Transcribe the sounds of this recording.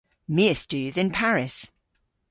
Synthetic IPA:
miəstʉːðɪ̃npʰaɹɪs

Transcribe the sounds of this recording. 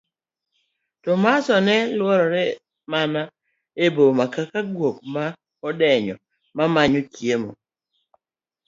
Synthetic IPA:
tɔmasɔnɛlwɔɾɔɾɛ | mana | ebomakakaɡwokma | ɔdɛɲɔ̰ | mamaɲokjemo̰

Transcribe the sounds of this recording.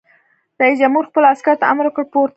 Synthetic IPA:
ɾaisd͡ʒamhuɾxpəlaskaɾt̪aamɾwəkəɽpoɾt̪

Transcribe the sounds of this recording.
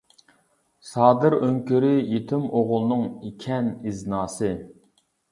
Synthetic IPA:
sɑːd̪ɨɾøŋkʲyɾɪjet̪ʰɪmoʁʊlˠnɨŋikʲʰɛniznɑːsɨ

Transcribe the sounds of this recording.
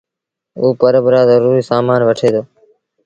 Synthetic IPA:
uːpəɾəbɾaːzəɾuːɾiːsaːmaːnʋəʈʰeːd̪oː

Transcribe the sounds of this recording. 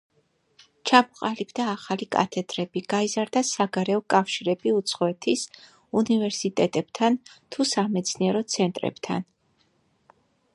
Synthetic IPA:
t͡ʃʰamɔqʼalibd̪aːχalikʼa̰t̪ʰɛd̪̥ɾɛbiɡ̥aizaɾd̪asaɡaɾɛɔkʼafʃiɾɛbiut̪sʰχɔɛt̪ʰis | univɛɾsit̪ʼɛt̪ʼɛb̥t̪ʰant̪ʰusamɛt̪sʰniɛɾɔt̪sʰɛnt̪ʼɾɛ̰b̥t̪ʰa̰n

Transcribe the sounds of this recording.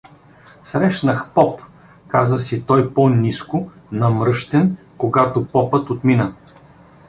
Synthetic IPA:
sɾɛʃnəxpɔp | kazəsit̪ɔjponʲiskʊnɐmɾɤʃt̪ɛn | koɡat̪opɔpɤt̪ot̪minə

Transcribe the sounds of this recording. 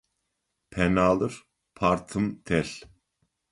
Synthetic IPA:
pʰɛnaːlˠəɾ | pʰaɾt̪ʰəmt̪ʰɛɬ

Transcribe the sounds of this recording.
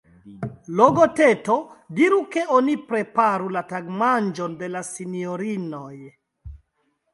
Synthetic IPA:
loɡotetodiɾuke̞ʔonipɾe̞paɾulataɡmand͡ʒonde̞lasinioɾinoj

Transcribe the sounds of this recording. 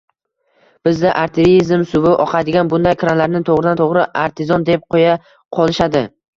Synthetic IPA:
b̥ɪzd̪aʔaɾt̪ʰɪɾizmsʊvɪʔɒqʰad̪ɪɡʲanbʊnd̪ajkɾanlaɾnɪt̪ʰoʁɾɪd̪ant̪ʰoʁɾɪʔaɾt̪ʰɪzɒnd̪ep̚qʰoja | qʰɒlˠɪʃad̪ɪ

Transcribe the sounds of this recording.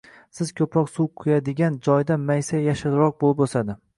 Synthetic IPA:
sɪzkʲʰɵpʰɾɒqsuwqʰʊjad̪ɪɡʲand͡ʒɒjd̪amajsajaʃɪɾɾɒq̚bolɪposad̪ɪ

